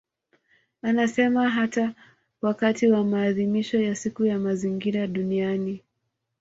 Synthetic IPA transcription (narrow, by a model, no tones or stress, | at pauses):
anasɛmaɦata | wakatiwamaːðimiʃɔjasikujamaziŋɡiɾaɗuniani